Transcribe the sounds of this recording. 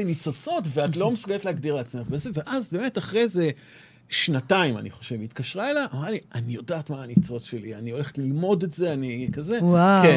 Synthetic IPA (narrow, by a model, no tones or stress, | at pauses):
init͡so̞t͡so̞tveatlo̞mesuɡeetleaɡdiʁleat͡sme̞χbeze̞ve̞ʔazbe̞ːme̞taχʁejze̞ | ʃnataima̰nḭχo̞ʃe̞vitkaʃʁaelaʔomaʁlianijo̞daːtmaːnit͡so̞tʃe̞lianio̞le̞χe̥tlilmo̞de̞tze̞anikaze̞wake